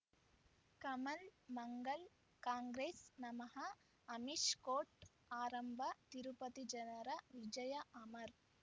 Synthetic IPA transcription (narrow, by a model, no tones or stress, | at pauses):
kɐmɐlmɐŋɡɐl | kaːŋɡɾeːsnɐmɐɦɐ | ɐmiʂkoːʈ | aːɾɐmbʱɐt̪iɾupɐt̪id͡ʒɐnɐɾɐʋid͡ʒɐjɐʔɐmɐɾ